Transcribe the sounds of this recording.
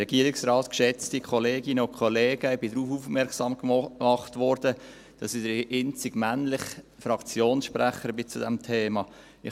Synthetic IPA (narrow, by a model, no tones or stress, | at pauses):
ɛɡiːəɾiksrɑːt̪kʃɛt͡stikʰɔleːɡinəʊkʰχɔleːɡ̥əɪbɪdɾuːfuːfmɛɾksɑmkɑχtʋɔɾd̥ə | d̥ɑsɪd̥əɾʔɪnt͡sɪɡ̥mænlɪχ | fɾɑkt͡sjoːnsʃpɾæχəɾbɪt͡sudɛmtʰeːmɑ | ɪ